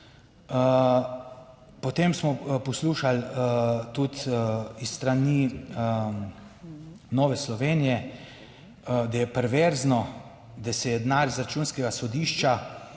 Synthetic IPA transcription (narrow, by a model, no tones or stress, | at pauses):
pɔt̪emsmɔpɔsluːʃalt̪ut̪ist̪ɾani | nɔːʋɛslɔʋeːnijɛ | d̪ajɛpɛɾʋeɾznɔ | d̪asɛjɛd̪naɾizɾat͡ʃuːnskɛɡasɔd̪iːʃt͡ʃa